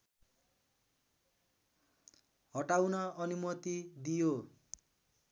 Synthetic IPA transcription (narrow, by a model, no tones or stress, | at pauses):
ɦʌʈawnʌʌnumʌt̪id̪ijo